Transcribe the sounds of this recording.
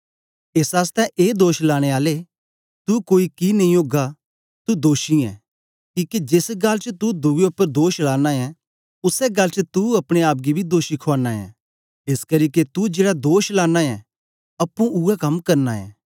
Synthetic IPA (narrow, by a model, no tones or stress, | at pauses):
eːsaːst̪ɛʔeːd̪oːʃlaːɽ̃eaːle | t̪ukoːikinɐ̃ɦĩoːɡa | t̪ud̪oːʃiɛ̰ː | kiːkid͡ʒɪsɡalt͡ʃət̪ud̪ʊɡeʊpːəɾd̪oːʃlaːnaɛ̃ | ʊsɛɡɐlt͡ʃət̪uɐpɽ̃eaːp̬̚ɡibʱid̪oːʃikʰoaːnaɛ̰̃ː | eskɐɾiːket̪ud͡ʒeːɽad̪oːʃlaːnaɛ | ɐpːũʔʊɛkɐmkɐɾnaɛ̰̃ː